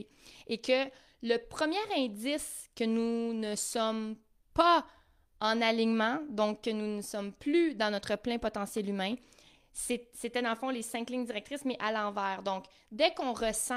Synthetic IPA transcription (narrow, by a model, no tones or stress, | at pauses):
ekə | ləpχəmjɛːʁɛ̃d̪d͡z̪ɪskʲənunəsɔm | pa | ɑ̃naliɲmɑ̃d̪ɔ̃kːənunəsɔmplyd̪ɑ̃nɔt̪χəplɛ̃pɔt̪ɑ̃sjɛlymɛ̃ | seset̪ɛd̪ɑ̃ləfɔ̃lesɛ̃klɪŋdd͡ziʁɛk̚t̪ʁɪsmɛʔalɑ̃ːvɛːʁd̪ɔ̃k | d̪ɛkɔ̃ʁəsɑ̃